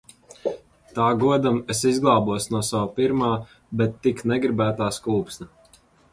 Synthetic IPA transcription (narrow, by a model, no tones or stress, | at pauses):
t̪aːɡuɔd̪amesizɡlˠɑːbuɔsnuɔsawapiɾmaː | bɛt̪ːiknɛɡɾibæːt̪aːskuːpsna